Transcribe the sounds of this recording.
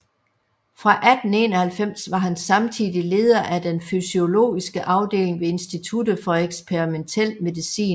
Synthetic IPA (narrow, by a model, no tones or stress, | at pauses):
fʁɑ̈ʔæd̥n̩e̝ːnɒhælfem̰sʋɑ̈ɦænsɑ̈mt͡sʰiðˠile̝ːð̞ˠɐʔæd̥enfysio̝lo̝̰ːisɡ̥əʔɑ̈ʊd̥e̝̰ːle̝ŋʋe̝e̝nsd̥it͡sʰud̥əfɒ̽eɡ̥spʰeʁiment͡sʰel̰me̝ðˠisḭːn